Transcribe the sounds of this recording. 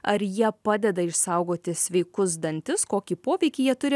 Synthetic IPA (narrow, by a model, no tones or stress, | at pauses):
ɐɾjiɛpɑːd̪ʲɛd̪ɐɪʃsɐʊɡoːt̪ʲɪsʲʋʲɛɪkʊs̬d̪ɐnʲt̪ʲɪskoːkʲipoːʋʲɛɪkʲɪjiɛt̪ʊɾʲɪ